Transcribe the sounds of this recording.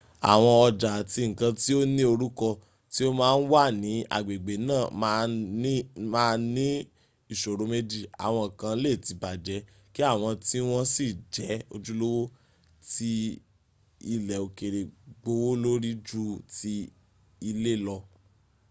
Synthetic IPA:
a̰˨w̃ɔ̃˧ɔ˧d͡ʒa˨ti˧ŋ̩˨kã˧ti˦o˦nĩ˦o˧ɾu˦kɔ˧ | ti˦o˦mãː˦n̩˦wa˦˨nĩ˨˦a̰˦˨ɡ͡be˨ɡ͡be˨nãː˦˨˦ | maː˦˧nĩ˦ | i˦˨ʃo˨ɾo˨˧me˦d͡ʒi˦˨a̰˨w̃ɔ̃˧˨kã˧˦le˦˨ti˨˧ba˨d͡ʒɛ˨˦ | ki˦a˦˨w̃ɔ̃˧ti˦w̃ɔ̃˦si˦˨d͡ʒɛ˨˦o˧d͡ʒu˦lo˦wo˦ | ti˦ | i˧lɛ˨o˨ke˨ɾe˨ɡ͡bo˧wo˦lo˦ɾi˦d͡ʒu˦ti˦ | i˧le˦lɔ˧

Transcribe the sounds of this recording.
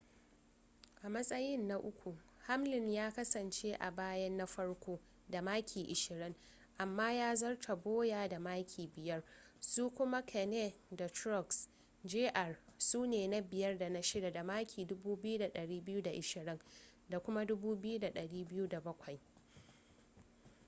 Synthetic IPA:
ʔa˨mɐ˦sʼɐ˦jɪ˦nːa˦ʔʊ˦kʷu˨ha˦mlɪ˨ɲjaː˦kɐ˦sɐ˨nt͡ʃeː˦ʔa̰˨baː˦jɐ˦nːa˦ɸɐ˦ɽkʷoː˦ | da˨maː˦kʲʰiː˨ʔɪ˨ʃɪ˨ɾɪ˦ŋ | ʔa˨mːaː˦jaː˦zɐ˦rtʰa˨boː˦jaː˨da˨maː˦kʲʰiː˨bɪ˨jɐ˦r | suː˦kʷʊ˦ma˦kʰɛ˨nɛ˦da˨tɾɔ˦ks | d͡ʒeː˦ʔɐ˦˨rsuː˦neː˨na˦bɪ˨jɐ˦rda˨na˦ʃɪ˦da˨da˨maː˦kʲʰiː˨dʊ˦buː˦bɪ˦ju˦da˨ɗɐ˨ɽiː˦bɪ˦ju˦da˨ʔɪ˨ʃɪ˨ɾɪ˦ŋ | da˨kʷʊ˦ma˦dʊ˦buː˦bɪ˦ju˦da˨ɗɐ˨ɽiː˦bɪ˦ju˦da˨bɐ˦kʷɐ˨j

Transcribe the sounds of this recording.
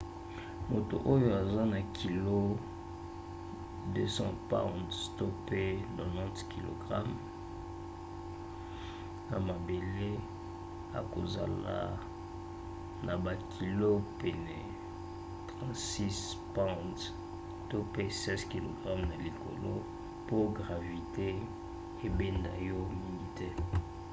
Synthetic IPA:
mo˨to̰˨ʔo˦jo˦a˨za˦na˨kʰi˨lo˦ | dø˦sɑ̰̃˦pã̰˦wdto˦pe˦no˨nã˦tki˨lo̰˨ɡʁa˦m | na˨ma˨be˨le˦ | a̰˨ko˨za̰˨la̰˨ | nʔa˨ba˨kʰi˨lo˦pe˨nɛ˨ | tʁɑ̃˦tsi˦s | pã˦t | to˦pe˦sɛ˦zki˨lo˨ɡʁa˦mna˨li˨ko̰˨lo˦ | po˦ɡʁa˨vi˨te˦ | e˦be˦nda̰˨jɔ˦mi˨ni˨te˦

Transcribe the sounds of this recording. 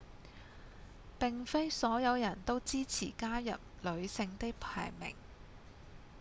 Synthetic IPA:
pɪ˨ŋfe˥jsɔː˨˥jɐ˨˧wjɐ˨˩nt̪o˥wt͡siː˥t͡sʰḭː˨˩kaː˥jɐ̰˨p̚lɵ˨˧ɥsɪ˧ŋt̪ɪ˥kpʰa̰ː˨˩jmɪ̰˨˩ŋ

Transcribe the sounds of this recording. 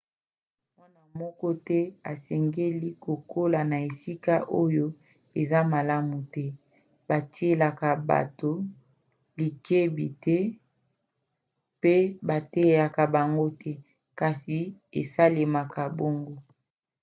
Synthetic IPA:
mwa˦na˨mɔ˦kɔ˦tɛ˦a˨sɛ˨ŋɡe˦li˦ko˨kʰo˦la˨na˨e˨si˦ka˦ʔo˦jo˦ | e˨za˦ma˨la˦mu˨tɛ˦ | ba˨ti˦e˦la˨ka˨ba̰˨to˨ | li˨kʰe˦bi˨tʰɛ˦ | pe˦ba˨te˦˨ja˨ka˨ba˨ŋɡo˦tʰɛ˦ | ka˨si˨ḛ˨sa˦le˨ma˨ka˨bo˦ŋɡo˦

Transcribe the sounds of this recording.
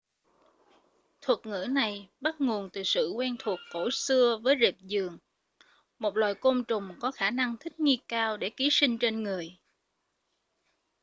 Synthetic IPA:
t̪ʰwə˨˩t̚ŋɨ̰˧˥na˨˩jɓa˦˥t̚ŋo˨˩ənt̪ɨ˨˩sɨ̰˧˨kwɛ˧nt̪ʰu˨˩əkːo˧˩sɨ˧əvəː˨˦jze˨˩p̚zɨ˨˩əŋ | mo˨˩t̚lwaː˨˩jko˧mt͡ɕʊ˨˩ŋ͡mkɔ˨˦xaː˧˩na˧ŋt̪ʰï˦˥k̟̚ŋi˧kaː˧wɗe˧˩ki˨˦si˧ŋ̟t͡ɕe˧nŋɨ˨˩əj

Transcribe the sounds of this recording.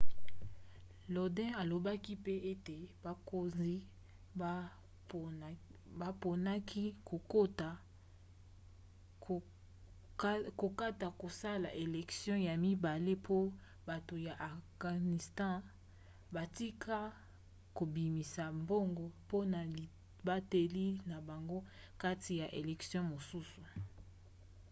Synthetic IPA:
lo˨dɛ̃˦a˨lo˨ba˦ki˦pe˦e˦te˨ba˨ko˨zi˦ | ba˨po˨na˦kʰi˦ko˨ko˦ta˨ | ko˨ka˦ta˨ko˨sa˦la̰˨ʔe˨lɛ˨ksjɔ̃˦ja˨mi˦ba˨le˦pʰo˦ | ba˨to˨ja˨ʔa˨ɡa˨ni˨stɑ̃˦ | ba˨ti˦kʰa˦ | ko˨bi˨mi˨sa˨mbo˦ŋɡo˨po˦na˨ | ba˦te˨li˦na˨ba˨ŋɡo˦ | ka˦tʰi˨ja˨ʔe˨lɛ˨ksjɔ̃˦mo˨su˦su˨

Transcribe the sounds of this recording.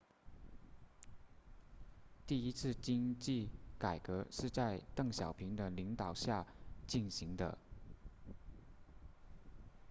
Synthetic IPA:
t̪i˥˩i˥t͡sʰɹ̩˥˩t͡ɕi˥ŋt͡ɕi˥˩ka˨˩ɪkɤ˧˥ʂɻ̩˥˧t͡sa˥˧ɪt̪ɤ˥˩ŋɕjɑ˨˩ʊpʰi˧˥ŋd̪ə˧li˧˥ŋt̪ɑ˨˩ʊɕja˥˧t͡ɕi˥˩nɕi˧˥ŋd̪ə̰˧

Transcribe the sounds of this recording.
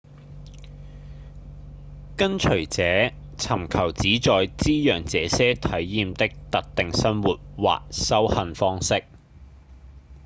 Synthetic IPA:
kɐ˥nt͡ʃʰɵ˨˩ɥt͡sɛː˨˥ | t͡sʰɐ˨˩mkʰɐ˨˩wt͡siː˨˥t͡sɔː˨jt͡siː˥jœː˨˩ŋt͡sɛː˨sɛː˥t̪ʰɐ˨˥jːiː˧mt̪ɪ˥k̚t̪ɐ˨k̚t̪ɪ˨ŋsɐ˥nwuː˨t̚wa̰ː˨k̚sɐ˥whɐ˧nfɔː˥ŋsɪ˥k̚

